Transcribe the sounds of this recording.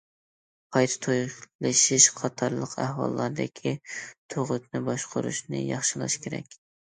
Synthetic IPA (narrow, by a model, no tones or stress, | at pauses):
qʰɑjt̪ʰɨ̥t̪ʰojlɨʃɪʃqʰɑt̪ʰɑɾlˠəqʰæhwɑ̰lˠːɑɾd̪ɪkʲʰit̪ʰoʁʊt̪nɪbɑʃqʰʊɾṵʃnɪ̰jɑχʃɪlˠɑ̰ʃkʲʰeɾɛ̰kʲ